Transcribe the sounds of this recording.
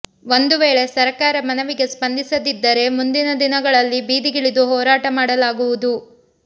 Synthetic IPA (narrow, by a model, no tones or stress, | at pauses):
ʋo̞nd̪uʋeːɭe̞sɐɾkaːɾɐmɐnɐʋiɡe̞spɐnd̪isɐd̪id̪ːɐɾe̞mund̪inɐd̪inɐɡɐɭɐlːibiːd̪iɡiɭid̪uɦɔːɾaːʈɐmaːɽɐlaːɡuʋud̪u